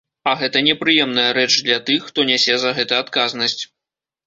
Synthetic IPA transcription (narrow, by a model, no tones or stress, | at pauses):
ɐɣɛt̪ɐnʲɛpɾɨjɛmn̪ɐjɐɾɛt͡ʂd̪lʲɐt̪ɨxːt̪ɔnʲɛsʲɛzɐɣɛt̪ɐat̪kaznɐsʲt͡sʲ